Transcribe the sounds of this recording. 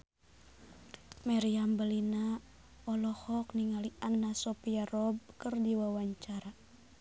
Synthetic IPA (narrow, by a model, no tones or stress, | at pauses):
maɾiambəlina | ɔlɔhɔkniŋaliʔanːasɔpiarɔb̚kɨrdiwawaɲt͡ʃaɾa